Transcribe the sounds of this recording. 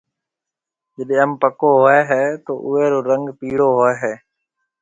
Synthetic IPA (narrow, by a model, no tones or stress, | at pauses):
d͡ʒəɗẽːəmpəkoːɦoeːɦɛːt̪oːʔʊeːɾoːɾəŋɡpiːɽoːɦoːeːɦɛː